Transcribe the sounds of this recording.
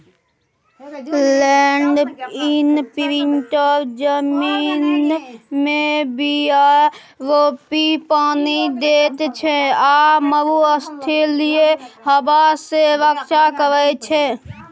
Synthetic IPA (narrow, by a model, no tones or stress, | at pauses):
lɛːɳɖinpiɾɪɳʈəɾd͡ʒəmiːnmẽbʱia | ɾoːpipaːnid̪eːt̪t͡ʃʰeaməɾuəst̪ʰelieɦəbaseɾəkʃakəɾət͡ʃʰɛ